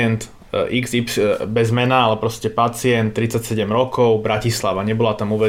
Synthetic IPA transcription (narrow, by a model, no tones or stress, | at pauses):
ɛnt̪ | ʔiɡzipsbɛzmɛnaalɛpɾɔscɛpat͡siɛnt̪ːɾit͡sːacsɛɟɛmɾɔkɔʊbɾacislaʋaɲɛbɔlat̪amuːʋɛ